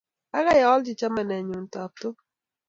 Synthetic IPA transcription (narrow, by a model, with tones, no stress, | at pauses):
a˦ɣa˦ja˨ɔ˦ld͡ʒi˨t͡ʃa˦ma˨nɛ˨ɲu˨n̩˨tɔ˨p̚to˦